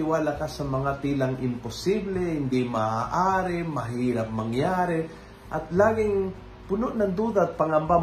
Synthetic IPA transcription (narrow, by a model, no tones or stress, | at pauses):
ɪwaːlakasɐmɐŋat̪iːlaŋʔɪmpʊsiblɛhɪnd̪ɪmaaʔaːɾɛmɐɦiːɾap̚mɐŋjaːɾɛ | ʔɐt̪laːɡɪŋ | pʊnʊʔnɐŋd̪uːd̪at̪̚pɐŋɐmba